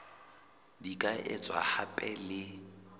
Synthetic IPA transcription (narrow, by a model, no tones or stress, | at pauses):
dikʼaʔɪt͡sʼwa̰hapʼɛlɪ